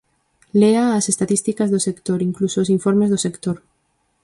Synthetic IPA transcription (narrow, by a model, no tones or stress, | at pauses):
leaːsest̪atist̪ikazðosekt̪oɾiŋklusoosiɱfoɾmezðosekt̪oɾ